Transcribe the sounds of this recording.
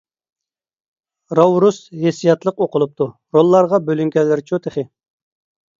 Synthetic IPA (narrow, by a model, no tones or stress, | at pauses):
ɾɑwɾushesijɑt̪lˠəqoqʊlˠup̚t̪ʰu | ɾolˠːɑɾʁɑbølyŋkʲɛlːɪɾt͡ʃʰut̪ʰeχɪ